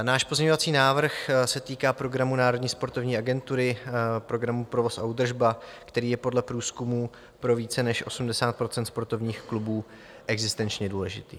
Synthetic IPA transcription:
naːʃpo̞zɲɛɲovat͡siːnaːvr̩xsɛt̪iːkaːpɾo̞ɡɾamunaːɾo̞dɲiːspo̞ɾt̪o̞vɲiːaɡɛnt̪uɾɪpɾo̞ɡɾamupɾo̞vo̞saud̪r̩ʒbakt̪ɛɾiːjɛpo̞dlɛpɾuːskumuː | pɾo̞viːt͡sɛnɛʃʔo̞sumdɛsaːt̪̚pɾo̞t͡sɛnt̪spo̞ɾt̪o̞vɲiːxklubuː | ʔɛɡzɪst̪ɛnt͡ʃɲɛduːlɛʒɪt̪iː

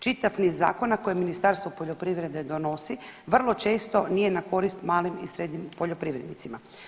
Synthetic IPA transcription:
t͡ʃit̪aʋniːzːa̰ːko̞nako̞jeminist̪aɾst̪vʋopo̞ʎo̞pɾiːʋɾe̞d̪ed̪o̞no̞siʋr̩lˠo̞t͡ʃe̞ːst̪o̞nije̞nako̞ɾist̪maːlimisɾe̞d̪ɲimpo̞ʎo̞pɾiːʋɾe̞d̪nḭt̪sima

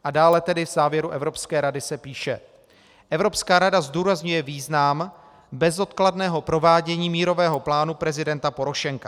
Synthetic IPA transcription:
ʔadaːlɛt̪ɛdɪvz̥aːvjɛɾuʔɛvɾo̞pskɛːɾadɪsɛpiːʃɛ | ʔɛvɾo̞pskaːɾadazduːɾazɲujɛviːznam | bɛzo̞t̪kladnɛːɦo̞pɾo̞vaːɟɛɲiːmiːɾo̞vɛːɦo̞plaːnupɾɛzɪdɛnt̪apo̞ɾo̞ʃɛŋka

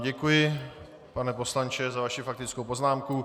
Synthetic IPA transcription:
ɟɛkujɪ | panɛpo̞slant͡ʃɛzavaʃɪfak̚t̪ɪt͡skowpoznaːmku

